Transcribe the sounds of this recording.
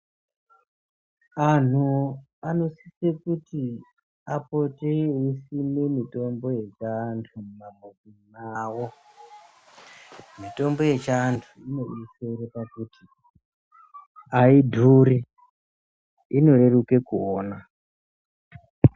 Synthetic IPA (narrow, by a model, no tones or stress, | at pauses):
an̤u | ano̞sisekuti | apoteisimemito̞mbo̞je̞t͡ʃaːntʰumumamod͡zinaːwo | mito̞mbo̞je̞t͡ʃaːntʰuino̞ʔiseɾepakuti | aidʱuɾi | ino̞re̞ruke̞kuoːna